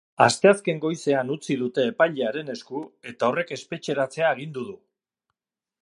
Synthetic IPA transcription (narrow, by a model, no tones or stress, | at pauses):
a̰st̪e̞aske̞ŋɡo̞jse̞anut͡siðut̪e̞ːpajʎeaɾe̞ne̞skue̞t̪ao̞re̞ke̞spe̞t͡ʃe̞ɾat͡se̞aeɣ̞ind̪uðu